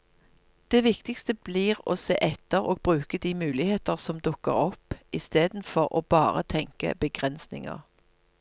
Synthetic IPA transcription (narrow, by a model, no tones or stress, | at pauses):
d̪̥eːʋɪkt̪ɪkst̪əbliːʁoːsḛːʔɛt̪ːəʁoːɡ̚bʁʉːkəd̪iːmʉːlɪheːt̪əʁsɔmd̪ʊkːə̰ʁɔpɪst̪eːd̪n̩fɔʁʔoːb̥ɑːʁə̰t̪ʰɛŋkə̰bəɡʁɛnsnɪ̰ŋə̰ʁ